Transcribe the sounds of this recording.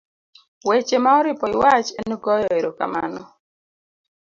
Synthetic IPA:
wet͡ʃemaɔɾɪpɔɪwat͡ʃɛnɔɡɔjɔeɾoka̰ma̰nɔ

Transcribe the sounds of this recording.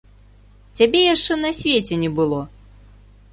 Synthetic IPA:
t͡sʲabʲɛjaʂt͡ʂɛnɐsʲvʲet͡sʲɛnʲɛbɨlˠɔ

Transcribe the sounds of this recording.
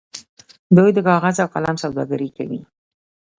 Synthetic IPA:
d̪ujd̪əkɑɣazawqalamsawd̪ɑ̰ɡaɾika̰wi

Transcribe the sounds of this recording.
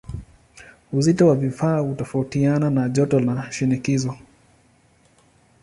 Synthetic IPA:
uzitɔwavifaːhutɔfautiananaʄɔtɔlaʃinikizɔ

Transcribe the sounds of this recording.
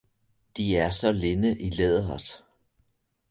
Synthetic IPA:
d̥iæɐsɒ̽le̝nəʔileðˠɐð̥ˠ

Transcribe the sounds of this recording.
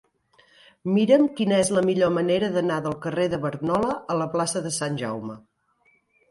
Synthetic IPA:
miɾəmkinəɛzləmiʎoməneɾəðənaðəlˠkəreðəβəɾnɔləələplasəðəsanʲʒa̰wmə

